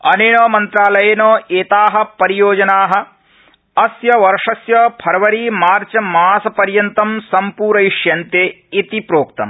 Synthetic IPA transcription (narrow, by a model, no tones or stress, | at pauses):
ɐneːnoːmɐnt̪ɾaːlɐjɐnoːʔeːt̪aːɦɐ̆pɐɾijoːd͡ʒɐnaːɦɐ̆ | ɐsjɐʋɐɾʂɐsjɐpʰɐɾɐʋɐɾiːmaːɾt͡ʃɐmaːsɐpɐɾjɐnt̪ɐmsɐmpuːɾɐiʂjɐnt̪eː | it̪ipɾoːkt̪ɐ̰m